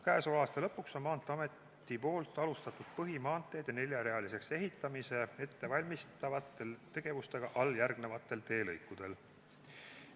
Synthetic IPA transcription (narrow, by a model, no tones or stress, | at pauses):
kæːsolɑːst̪elɤpːˑukso̞nmɑːnt̪ːˑeɑme̞t̪ː | ipo̞ːlt̪ːˑɑlust̪ɑt̪ud̪̥̚pɤɦimɑːnt̪ːˑe̞d̪̥ɑne̞lʲjɑɾe̞ɑlise̞kse̞ɦit̪ːˑɑmise̞e̞t̪ːe̞vɑlʲmist̪ɑvɑt̪ːˑe̞lt̪e̞ɡ̥e̞vust̪e̞ɡ̥ɑʔɑljærɡne̞vɑt̪ːˑe̞lt̪e̞ːlɤjkːud̪̥e̞l